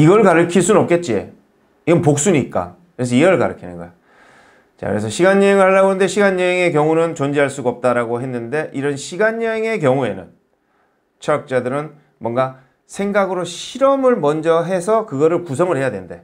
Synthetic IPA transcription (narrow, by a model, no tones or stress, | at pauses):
iɡʌɭkaɾɯkʰiɭs͈unɯnʌp̚k͈e̞t̚t͡ɕ͈iḛ | iɡʌnpok̚s͈uniːt̚k͈a̰ | kɯɾes̬ʰʌiʌɭka̰ɾɯ̰kʰinɯ̰nɡʌ̰jo | t͡ɕa̰kɯɾe̞s̬ʰʌɕʰiɡaɲːʌeŋɯɭhaɭːaɡonɯndeɕʰiɡaɲːʌeŋe̞kjʌŋunɯnt͡ɕond͡ʑiɦaɭs͈uɡaʌp̚t͈aɾaɡoɦe̞nːɯnde̞ʔiɾʌnɕʰiɡaɲːʌeŋe̞k̬jʌŋue̞nɯ̰n | t͡ɕʰʌak̚t͡ɕ͈adɯɾɯn | mwʌnɡa | sʰe̞ŋɡaɡɯɾoɕʰiɾʌmɯɭmʌnd͡ʑʌɦe̞sʰʌkɯɡʌɾɯɭpusʰʌŋɯɭhe̞jadwenɯnde̞̰